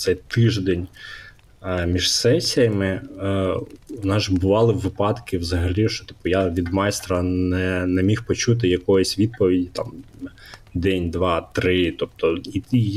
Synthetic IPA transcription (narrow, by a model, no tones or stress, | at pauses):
t̪sɛjt̪ɪʒd̪ɛnʲ | mʲiʒ̥sɛsʲijɐmɪ | nɑzʒbʊʋɑlˠɪʋɪpɑd̪kɪwzɐɦɐlʲiʃt͡ʃɔ̥t̪i̥p̚ʊjaʋʲid̪mɑjst̪ɾɐnɛnɛmʲixpɔt͡ʃut̪̬ɪjɐkɔjɔsʲʋʲid̪̚pɔʋʲidʲit̪ɑm | d̪ɛnʲd̪ʋɑt̪ɾɪt̪ɔp̚t̪ɔi